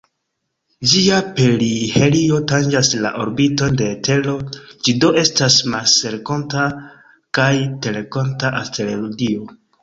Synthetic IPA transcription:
d͡ʒiapelihe̞lio̞tand͡ʒasla̰ʔo̞ɾbito̞nde̞ːte̞lo̞d͡ʒido̞ʔe̞stasmalse̞ɾko̞nta | kajte̞le̞ko̞ntaʔalte̞lelodio̞

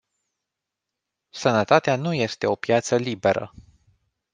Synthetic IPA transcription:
sənət̪at̪eanuje̞st̪e̞o̞pjat̪səlibe̞ɾə̰

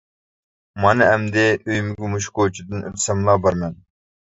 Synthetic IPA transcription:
mɑnɨɛmd̪ɪʔøjmɪɡʲumuʃkot͡ʃʰid̪ɨnʔø̰t̪ʰsɛmlˠɑbɑɾmɛn

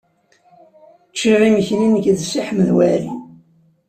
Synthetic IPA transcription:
t͡ʃːiʁiməçninəkðsiħməðwæɾi

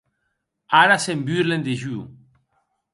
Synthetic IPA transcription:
aɾasembyɾlend̪eʒy

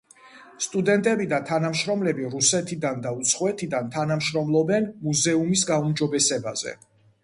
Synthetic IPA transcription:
st̪ʼud̪ɛnt̪ʼɛbid̪at̪ʰanamʃɾɔmlɛbiɾusɛt̪ʰid̪and̪aut̪sʰχɔɛt̪ʰid̪ant̪ʰanamʃɾɔmlˠɔbɛnmuzɛumis̬ɡaumd͡ʒɔbɛsɛba̰zɛ̰

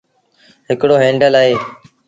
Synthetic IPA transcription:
ɦɪkɽoːɦẽːɳɖəlaːɦeː

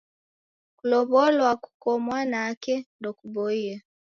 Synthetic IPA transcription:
kuloβolwaku̥komwanakendokuboia

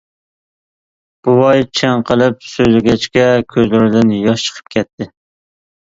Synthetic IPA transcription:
b̥uwɑjt͡ʃʰɛŋqʰəlˠɪp̚søjlɪɡʲɛt͡ʃkʲɛkʲʰøzlɪɾɪd̪ɪnjɒʃt͡ʃʰə̥qʰə̥p̚kʲʰɛt̪ʰːɪ

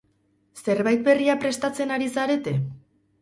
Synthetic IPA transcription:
se̞ɾβajt̪̚be̞riapɾe̞st̪at͡se̞naɾisaɾe̞t̪e̞

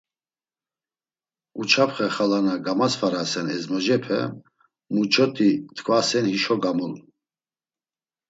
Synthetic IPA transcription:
ut͡ʃʰapχɛχalanaɡamasfaɾasɛnɛzmɔd͡ʒɛpʰɛ̰ | mut͡ʃʰɔt̪ʰʼit̪ʰkʰvasɛnhiʃɔɡamul

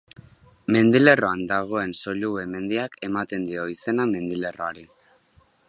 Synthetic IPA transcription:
me̞nd̪ile̞ro̞and̪aɣ̞o̞e̞nso̞ʎuβeme̞nd̪iake̞mat̪e̞nd̪io̞ise̞name̞nd̪ile̞ro̞aɾi

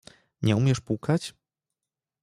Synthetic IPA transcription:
ɲɛumʲjɛʂpuwkat͡ɕ

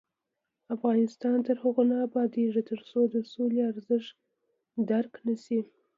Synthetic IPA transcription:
afɣɑnɪst̪ɑnt̪əɾhəɣonɑːbɑd̪eʐit̪əɾsod̪əsoleaɾzɪʃ | d̪aɾknasi

